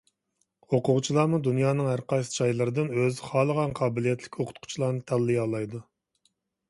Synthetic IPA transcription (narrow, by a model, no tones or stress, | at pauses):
hoqʊʁt͡ʃʰilˠɑːmud̪unjɑːnɨŋhæɾqɑd͡ʒɑjlˠɨɾɨd̪ɨnøzɪχɑːlˠəʁɑnqʰɑːbɪlijɛt̪ʰlɪkʲʰoqʰʊ̥t̪̚qʰʊ̥t͡ʃʰilˠɑːnɨt̪ʰɛlːɪjɑlˠɑjd̪u